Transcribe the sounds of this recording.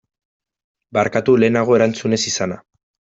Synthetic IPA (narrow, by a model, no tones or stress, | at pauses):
baɾkat̪ule̞ːnaɣ̞o̞e̞ɾant͡sune̞sisana